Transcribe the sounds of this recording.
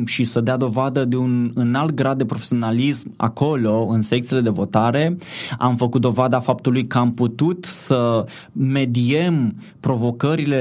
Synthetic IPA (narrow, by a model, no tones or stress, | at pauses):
ʃisəd̪ead̪o̞vad̪əd̪e̞unɨnalt̪̚ɡɾad̪ːe̞pɾo̞fesio̞nalisma̰ko̞lo̞ɨnsek̚t̪siele̞d̪e̞vo̞t̪aɾe̞a̰mfəkut̪̚d̪o̞vad̪afap̚t̪ulujkəamput̪ut̪sə | me̞d̪ie̞m | pɾo̞vo̞kəɾile̞